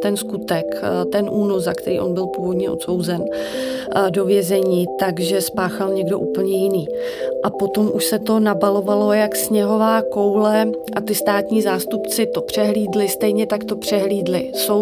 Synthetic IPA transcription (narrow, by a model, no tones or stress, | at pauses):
t̪ɛnskut̪ɛkt̪ɛnʔuːnozzakt̪ɛɾḭːʔo̞̰nbɪlpuːvo̞d̪ɲɛʔo̞̰t̪so̞wzɛn | do̞vjɛzɛɲiːt̪aɡʒɛspaːxalɲɛɡdo̞ʔuːpl̩ɲɛjɪniː | ʔapo̞t̪o̞mʔuʃsɛt̪o̞nabalo̞valo̞jaksɲɛɦo̞vaːko̞wlɛʔat̪ɪst̪aːt̪ɲiːzaːst̪upt͡sɪt̪o̞pr̝̥ɛɦliːdlɪst̪ɛjɲɛt̪akt̪o̞pr̝̥ɛɦliːdlɪsow